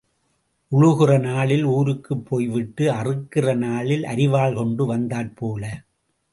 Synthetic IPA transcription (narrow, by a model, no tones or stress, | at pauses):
ʔʊɻʊɣɪrɐnaːɭɪluːɾɯkːɯpʰːoːjʋɪʈːɯɐrɯkːɪrɐnaːɭɪlʔɐ̰ɾɪʋaːɭkɔɳɖɯʋɐnd̪aːrpoːlɐ